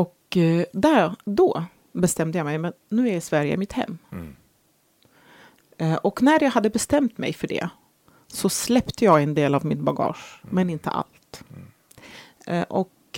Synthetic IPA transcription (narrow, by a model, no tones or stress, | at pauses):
ɔkd̪æd̪ɔ | bɛst̪ɛmd̪əjɑːmɛjmɛnːʉ̟ːæɾɪsvæɾjə̰mɪt̪hɛ̰mː | ʔɔknæɾjɑːɡhad̪ːəbɛst̪ɛmt̪mɛ̰jfœɖɛ̰ | sɔslɛpt̪əjɑːɡɛnd̪eːlavmɪnbaɡɑ̰ːʂmɛnɪnt̪ə̰ʔa̰lt̪ | ʔɔk